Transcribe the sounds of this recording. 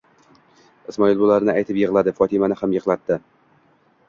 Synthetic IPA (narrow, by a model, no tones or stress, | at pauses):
ɪsmɒɪlˠbʊlaɾɪnɪajt̪ʰɪpjɪʁlˠad̪ɪfɒt̪ʰɪmanɪhamjɨʁlˠat̪ːɪ